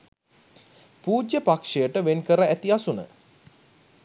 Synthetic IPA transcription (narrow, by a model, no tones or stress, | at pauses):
puːd͡ʒjəpakʂejəʈəʋenkəɾəæt̪iasunə̰